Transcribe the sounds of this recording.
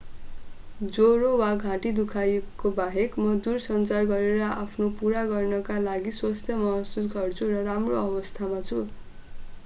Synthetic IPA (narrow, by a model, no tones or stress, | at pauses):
d͡zoɾowaɡʱãʈid̪ukʰajkːobaɦekmʌd̪ursʌnt͡sarɡʌɾeɾʌapʰnopuɾaɡʌrnʌkalaɡiswast̪ʰjʌmʌɦasusɡʱʌrt͡sʰuɾʌɾamroʌbʌst̪ʰamat͡sʰu